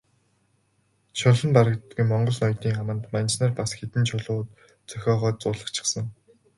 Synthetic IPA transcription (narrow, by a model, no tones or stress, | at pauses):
t͡ɕʰʊɮɞ̆mpaɾə̆kt̪ɡumɔɴɢɞ̆ɮnɔjt̪iːŋamə̆nt̪mant͡ɕnărpasxet̪ɘ̆nt͡ɕʰʊɮʊːt̪ | t͡sœxʲɔːʁœːt̪t͡sʊːɮə̆χt͡ɕʰɪ̥̆χsə̆ŋ